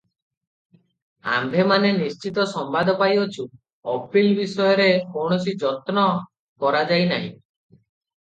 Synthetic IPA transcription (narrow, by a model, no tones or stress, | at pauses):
a̰mbʱemanenist͡ʃit̪ɔsɔmbad̪ʱɔpajɔt͡ʃʰu | ɔpilbisɔjɔɾekɔɽ̃ɔsid͡ʒɔt̪nɔ | kɔɾad͡ʒajnaɦḭ̃